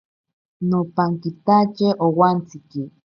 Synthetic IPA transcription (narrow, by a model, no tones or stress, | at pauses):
nopaŋkit̪at͡ʃeʔowant͡siki